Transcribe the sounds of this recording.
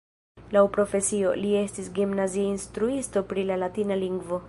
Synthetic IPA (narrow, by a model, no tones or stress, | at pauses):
lawpɾo̞fe̞sio̞̰lie̞stisɡimnaziainstɾuisto̞pɾilalatinaliŋɡvo̞